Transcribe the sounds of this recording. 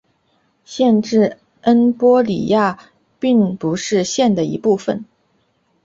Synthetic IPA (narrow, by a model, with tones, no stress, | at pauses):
ɕjɛ˥˧nʈ͡ʂɻ̩˥˩ | ə˥npwɔ˥lḭ˨˩ja˥˩ | pi˥˩ŋpu˧˥ʂɻ̩˥˧ɕjɛ˥˩nd̪ə˩ḭ˧˥pu˥˩fə˨˩n